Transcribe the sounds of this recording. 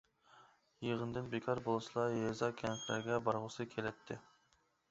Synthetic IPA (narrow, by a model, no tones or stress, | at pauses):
jeʁənd̪ɨnbekʰɑɾbolˠslˠɑjezɑkʲʰɛnflæ̰ɾɡʲɛbɑɾʁʊsɨkʲʰelɛt̪ʰːɪ